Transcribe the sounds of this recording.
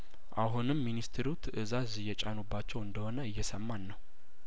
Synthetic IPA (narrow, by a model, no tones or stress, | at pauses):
ʔaɦunɨmːinist̪ʰɾut̪ʰʔɨzazɨjːɛt͡ʃʼanubːat͡ʃːɛwɨnd̪əho̞nəɨjːɛsəmːanːəw